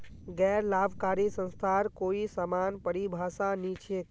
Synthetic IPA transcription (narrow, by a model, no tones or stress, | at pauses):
ɡɛːɾlaːbkaːɾisə̃nst̪ʰaɾkoːisaːmanpəɽibʱaːsanit͡ʃʰe